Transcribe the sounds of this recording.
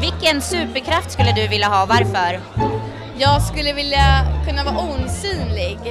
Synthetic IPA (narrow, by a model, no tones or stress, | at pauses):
vɪlkːənsʉ̟ːpəɾkʰɾaft̪skɵlːəd̪ɵvɪlːaɦɑːvaɾfœɾ | jɑːɡskɵlːəvɪljakʰɵnːavɑːuːnsyːnlɪɡ